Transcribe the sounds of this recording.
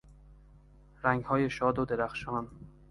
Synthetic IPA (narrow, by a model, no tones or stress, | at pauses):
ɾæŋɡhɒːje̞ʃɒːd̪od̪e̞ɾæxʃɒːn